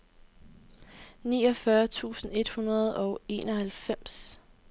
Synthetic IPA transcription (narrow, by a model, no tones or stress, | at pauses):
nḭːɒ̽fɶɐt͡sʰṵːsn̩e̝d̥hunɐð̞ˠɒ̽ʊe̝̰ːnɒ̽hælfem̰s